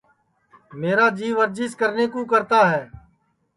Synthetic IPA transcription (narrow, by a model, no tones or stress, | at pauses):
meːɾaːd͡ʒiːʋəɾd͡ʒɪskəɾneːkõːkəɾt̪aːɦɛː